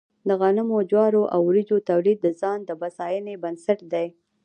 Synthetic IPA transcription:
d̪əɣɑnɪmod͡ʒwɑɾoʔawɾid͡ʒot̪awlid̪̚ːəzɑnd̪əbasɑjənebansaʈd̪aj

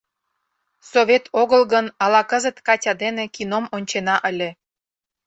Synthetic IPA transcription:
soβʲet̪ʰoɣəlɣənɑlɑkəzə̆t̪kɑtʲɑd̪enekinomonʲt͡ɕenɑʔəlʲe

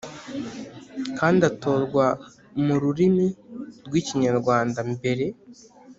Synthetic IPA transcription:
kaːndiato̞ːɾɡwa | muɾuɾimiɾɡwiːciɲaɾɡwaːndambe̞ɾe̞

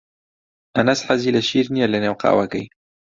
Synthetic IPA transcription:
ʔɐnɐsħaziːlɐʃiːɾnijɛlɐneːwqɑ̰ːwɐkɐ̰j

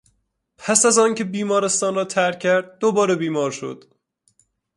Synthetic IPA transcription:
pʰæsæzɒːncʰe̞biːmɒːɾe̞st̪ɒːnrɒːt̪ʰæɾ̚ʲʰæɾd̪̚ːobɒːɾe̞biːmɒːɾʃo̰d̪̥

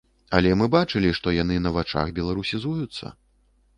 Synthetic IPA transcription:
ɐlʲɛmɨbat͡ʂɨlʲiʂt̪ɔjanɨnɐvat͡ʂa̰xbʲɛlˠaɾusʲizujut̪sːɐ̰

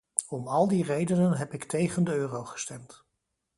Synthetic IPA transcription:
ɔmɑlˠdirejdənənɦɛpɪktejχəndəøːrowχə̥stɛmt

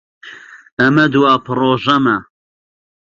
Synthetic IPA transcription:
ɐmɐd̪uwaːpʰɨroːʒɐmɐ

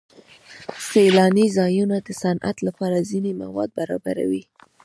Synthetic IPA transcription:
selɑnizɑjunad̪əsanʔa̰t̪lapɑɾazinema̰wɑd̪̚baɾɑ̰baɾa̰wi

